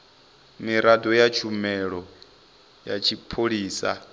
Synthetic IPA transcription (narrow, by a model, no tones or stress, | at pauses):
miɾadɔjat͡ʃʰumɛɺɔ | jat͡ʃʰipʰoɺiːsa̰